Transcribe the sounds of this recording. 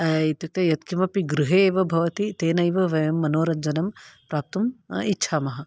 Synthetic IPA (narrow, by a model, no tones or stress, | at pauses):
ɐit̪uk̚t̪ɐjɐt̪kimɐpiɡɾuɦeːʋɐbʱɐʋɐt̪it̪eːnɐjʋɐʋɐjɐmːɐnoːɾɐɲd͡ʒɐnɐmpɾaːp̚t̪umitːʃʰaːmɐɦɐ̆